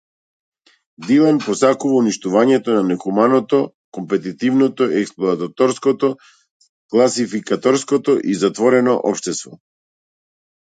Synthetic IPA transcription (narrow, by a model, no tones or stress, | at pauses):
d̪ilˠɛnpɔsakuvauniʃt̪uvaɲɛt̪ɔnanɛxumanɔt̪ɔ | kɔmpɛt̪it̪ivnɔt̪ɔiɛksplˠɔat̪at̪ɔɾskɔt̪ɔ | klˠasifikat̪ɔɾskɔt̪ɔʔizat̪vɔɾɛnɔʔɔ̰pʃt̪ɛst̪vɔ